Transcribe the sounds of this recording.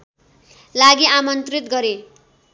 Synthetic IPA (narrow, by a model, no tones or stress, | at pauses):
laɡiamʌnt̪rit̪ɡʌɾe